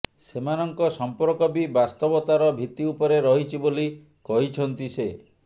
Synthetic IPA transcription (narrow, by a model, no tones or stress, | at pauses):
semanɔŋkɔsɔmpɔɾkɔbibast̪ɔbɔt̪aɾɔbʱit̪iupɔɾeɾɔɦit͡ʃʰiboli | kɔɦit͡ʃʰɔnt̪ise